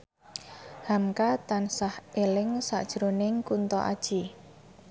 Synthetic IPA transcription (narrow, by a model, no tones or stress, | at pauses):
hamkat̪ansahelɪŋsa̰ʔd̥ʒ̥ɾonɪŋkunt̪ɔ̰ʔa̰d̥ʒ̥i